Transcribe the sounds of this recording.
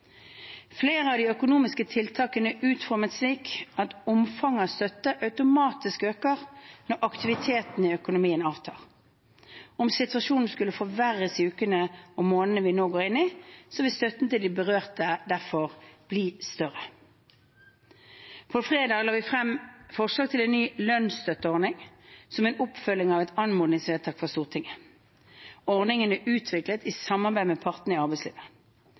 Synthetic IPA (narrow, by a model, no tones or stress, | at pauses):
fleːʁəɑʋd̪iːœkʊnuːmɪskət̪ʰɪlt̪ʰɑːkənəʔʉːt̪fɔɾmət̪sliːkɑt̪ʊmfɑŋɑst̪œt̪ːəʔɑʉt̪ʊmɑːt̪ɪskøːkəʁnɔɾʔɑkt̪ɪʋɪt̪ʰeːt̪nɪœkʊnʊmiːənɑːʋt̪ʰɑ̰ːʁ | ɔmsɪt̪ʋɑʃuːnn̩skʉlːəfɔʋæʁəsʉːkənəɔmoːnənəʋɪnoːɡoːʁɪnːɪsɔʋɪlst̪œt̪nt̪ɪld̪ibəʁøːʁt̪əd̪æʁfɔʁb̥liːst̪œʁə | pʰɔfʁeːd̪ɑːɡlɑːʋɪfʁɛmfɔʁʂlɑːɡ̚t̪ʰɪlɛnnyːlœnst̪œt̪əɔʁnɪŋsɔmɛnʊpfœlːɪŋɑʋɛt̪ɑnmʊnɪŋsʋeːlt̪ʰɑːkfɔʁst̪uːʁt̪ʰɪŋːə | ɔʁnɪŋənæʔʉːt̪ʰʋɪklət̪ɪsɑmːɑʁbæɪmɛpʰɑʁt̪nəɪɑʁbæɪslḭːʋə